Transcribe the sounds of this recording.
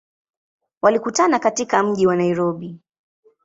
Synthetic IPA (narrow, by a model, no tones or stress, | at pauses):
walikutanakatikam̩ʄiwanaiɾɔɓi